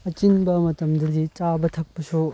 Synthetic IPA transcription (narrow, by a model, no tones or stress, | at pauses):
ɐt͡ʃinbɐmɐtɐmdɐdit͡ʃabɐtʰɐk̚pɐsu